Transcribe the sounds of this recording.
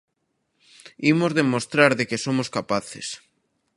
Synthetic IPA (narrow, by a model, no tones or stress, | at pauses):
imozðemost̪ɾaɾðekesomoskapaθes